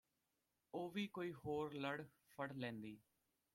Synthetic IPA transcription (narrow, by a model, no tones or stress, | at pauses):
oːʋiːkoːiːɦoːɾləɽ | pʰəɽlɛ̃ːnd̪iː